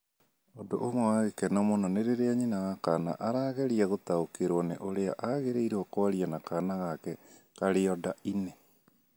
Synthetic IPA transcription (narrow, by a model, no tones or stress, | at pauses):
odoʔomowaɣekɛnɔmonaneɾeɾeaɲinaɣakana̰ʔaɾaːɣɛɾiaɣot̪aokeɾoɔneʔoɾea̰ʔaɣeɾeiɾoɔkoaɾianakanaɣakɛkaɾeɔdaine